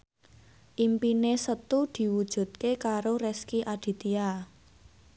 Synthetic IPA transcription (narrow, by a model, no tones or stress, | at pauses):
ʔimpinesət̪ud̪̥i̤wud̥ʒ̥ṳt̪̚kekaɾoɾɛskiʔad̪̥i̤t̪ia